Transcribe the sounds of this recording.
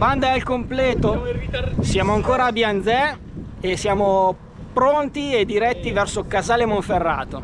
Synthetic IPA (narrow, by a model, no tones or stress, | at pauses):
band̪aɛlkomplɛːt̪o | sjaːmoaŋkoːɾaːbjand̪zɛ | esːjaːmo | pɾont̪ied̪ːiɾɛt̪ːivɛrsokazaːlemoɱferːa̰ːt̪o